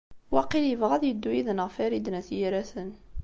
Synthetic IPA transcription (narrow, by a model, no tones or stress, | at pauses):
wɑqiljəvʁæðjəd̪ːujiðənəʁfæɾid̪næθjaɾæθən